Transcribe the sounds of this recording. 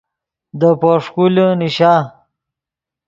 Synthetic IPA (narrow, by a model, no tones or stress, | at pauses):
d̪əpoʂkulniɕaː